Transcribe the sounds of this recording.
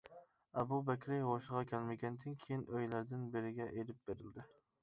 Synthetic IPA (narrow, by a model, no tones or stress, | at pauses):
ɛbubɛkʲɾɪʁoʃɨʁɑkʲʰælmɪɡʲɛnd̪ɪnkʲʰejinøjlæɾd̪ɪnbɪɾɪɡʲɛʔelɪp̚b̥eɾɪld̪ɪ